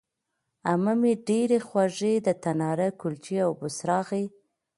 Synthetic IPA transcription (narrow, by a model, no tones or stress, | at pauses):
aməmeɖeɾexwɑʐed̪ət̪anɑɾakʊlt͡ʃiawbʊsɾɑɣi